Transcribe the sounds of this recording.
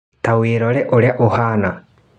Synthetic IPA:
taweɾɔɾɛʔoɾɛʔohana

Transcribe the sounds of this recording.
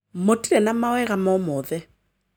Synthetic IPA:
motʼilɛnamawɛɣamɔmɔːðɛ

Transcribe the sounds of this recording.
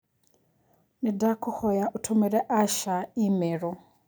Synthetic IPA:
nɛdakʰuhɔjaʔutʰɔmɛɾɛʔaʃaimɛːɾɔ

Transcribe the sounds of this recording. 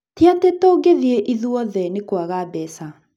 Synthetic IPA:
teatetoɡeðieʔiðuɔðɛnekwaɣabɛsa

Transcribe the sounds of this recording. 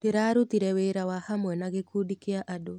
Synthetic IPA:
deɾaːɾutiɾɛweːɾawahamwɛnaɣekuːdikeaʔado

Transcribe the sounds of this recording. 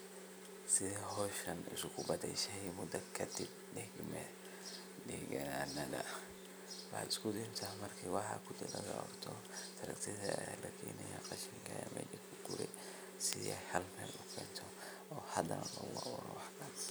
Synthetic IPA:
sɪðɛɦɔːʃɐnɪsʊkʰʊbɐd̪ɛjʃɛmʊd̪ɐkʰɐd̪ɪb̚ | ɖɛɡmɛ | dɛɡɐnanɐðɐ | wɑħɑ̰d̪ɪskʰʊd̪ɛːmt̪ʰahmɐrkʰiwɑħɑ̰kʰʊd̪ɪlɐɣɐɔrt̪ʰɔ | t̪ʰɐɾɐ̰kt̪ʰɪðɐlɐkʰɛːnɐjaqɑʃiŋkʰɐjɐmɛ̰ːlɐkʰʊɡ̥ʊɾɛ̰ | sɪɛhɐlmɛːlʊkʰɛːnt̪ʰɔ | ɔːhɐd̪ɐnlɐɣʊawɔɾɔwɑħkɐn

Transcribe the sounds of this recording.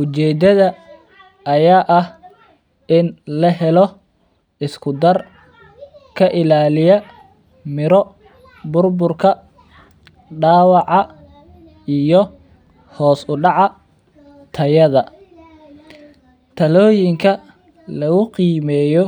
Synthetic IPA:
ʔʊt͡ʃɛːd̪ɐðɐ | ʔːjaːʔɐh | ɪnlɐɦɛlɔ | ɪskʰʊd̪ɐr | kʰɐʔɪlaːlɪjɐ | mɪɾɔ | bʊrbʊrkʰɐ | ɖaːwɑʕɑ | ijɔ | hɔːsʊɖɑʕɑ | t̪ʰɐjɐðɐ | t̪ʰɐlɔːjɪŋkʰɐ | lɐɣʊqiːmɛːjɔ

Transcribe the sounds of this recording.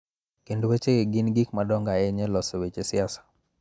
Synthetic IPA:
kendowet͡ʃeeɡinɡikmadɔŋɡaɛɲɛlɔsɔwet͡ʃesɪasḁ

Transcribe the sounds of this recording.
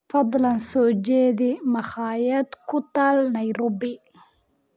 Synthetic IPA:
fɑd̪ˤlɐnsɔːd͡ʒɛːðɪmɐχɑːjɐd̪kʰʊt̪ʰaːlnɐjɾʊbɪ

